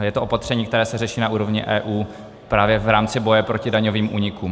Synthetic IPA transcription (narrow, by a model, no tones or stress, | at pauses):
jɛt̪oʔo̞pat̪r̝̥ɛɲiːkt̪ɛɾɛːsɛrɛʃiːnaʔuːɾo̞vɲɪ̰ʔɛːʔuː | pɾaːvjɛvɾaːmt͡sɪbo̞jɛpɾo̞cɪdaɲoviːmʔuːɲɪkuːm